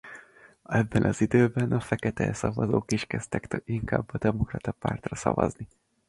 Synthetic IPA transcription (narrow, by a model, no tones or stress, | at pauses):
ɛbːɛnʔɒzid̪øːbɛnɒfɛkɛt̪ɛɛsɒvɒzoːkiʃkɛst̪ɛkt̪iŋka̰ːbːɒd̪ɛmokrɒt̪ɒpa̰ːrt̪rɒsɒ̰vɒ̰zni